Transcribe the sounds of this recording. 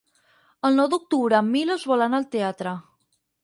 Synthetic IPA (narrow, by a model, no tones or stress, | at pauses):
əlˠnɔwd̪uk̚t̪uβɾəmːiləzβɔlanəlˠt̪eat̪ɾə